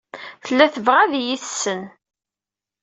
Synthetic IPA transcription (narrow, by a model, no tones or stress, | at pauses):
θəlːæθəvʁæðjiθsːən